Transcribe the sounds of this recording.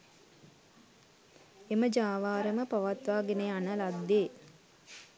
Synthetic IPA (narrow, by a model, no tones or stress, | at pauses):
eməd͡ʒaːʋaːɾəməpaʋat̪ʋaːɡeneanəlad̪ːeː